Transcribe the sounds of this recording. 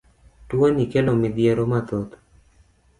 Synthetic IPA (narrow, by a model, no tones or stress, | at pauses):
twonikelomɪd̪jeɾomat̪ot̪